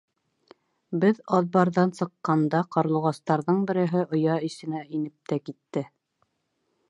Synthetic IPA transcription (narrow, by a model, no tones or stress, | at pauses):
bɘðɑðbɑɾðɑnsɤ̆qːɑnd̪ɑqɑɾlˠŭʁɑst̪ɑɾðɤɴbɘ̆ɾɘ̆ɦɘʔŏjɑisɘ̆næinɘp̚t̪ækit̪ːɘ